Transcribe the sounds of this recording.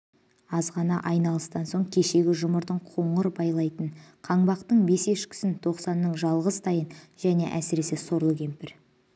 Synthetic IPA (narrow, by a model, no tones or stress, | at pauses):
ɑzʁɑnɑʔɑjnɑlˠəst̪ɑnso̞ɴkʲʰe̞ʃe̞ɡʲɪʒʊməɾd̪əɴqʰo̞ɴəɾbɑjlˠɑjt̪ənqʰɑɴbɑqt̪əɴbe̞se̞ʃkʲɪ̥sɪnt̪ʰo̞qsɑnːəɴʒɑlˠʁəzt̪ʰɑjənʒ̥æne̞ʔæsɪɾe̞seso̞ɾəlˠɡʲe̞mpɪɾ